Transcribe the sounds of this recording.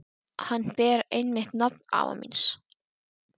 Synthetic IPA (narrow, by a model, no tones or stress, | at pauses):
hanːpɛːɾejnːɪht̪nap̚na̰ːva̰mḭns